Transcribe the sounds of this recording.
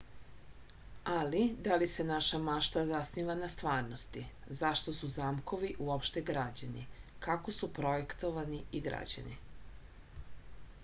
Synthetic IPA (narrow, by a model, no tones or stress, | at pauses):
alid̪alisenaʃamaʃt̪azasniʋanast̪ʋaːɾno̞st̪i | zaʃt̪o̞suzaːmko̞ʋiʔuopʃt̪eɡɾad͡ʑanḭkako̞supɾo̞jekt̪oʋaniiɡɾa̰d͡ʑa̰nḭ